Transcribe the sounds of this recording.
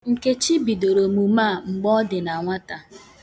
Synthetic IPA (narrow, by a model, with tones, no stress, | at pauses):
ŋ̩˨ke˦t͡ʃi˦bi˨do˨ɾo˨mu˨maː˦˨ŋ͡m̩˨ɡ͡bɔ˦dɪ˨na˨ŋʷa˦ta˨